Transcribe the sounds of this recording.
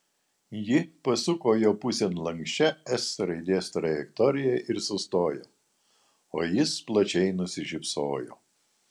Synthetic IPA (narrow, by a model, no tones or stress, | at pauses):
jɪpɐsʊkoːjoːpʊsʲɛnlˠɐŋksʲt͡ʃʲɛɛsɾɐɪd̪ʲeːst̪ɾɐjɛkt̪ɔɾʲɪjɛʔɪɾsʊst̪oːjoː | oːjɪsplˠɐt͡ʃʲɛɪnʊsʲɪʒʲɪpsoːjo̰ː